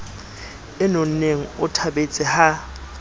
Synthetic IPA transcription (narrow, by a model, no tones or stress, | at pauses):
ɪnon̩neŋ̩ʊtʰabet͡sʼɪha